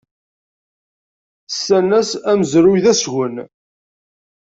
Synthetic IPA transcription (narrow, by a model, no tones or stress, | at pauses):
sːænːæsæmzɾuiðæsʝən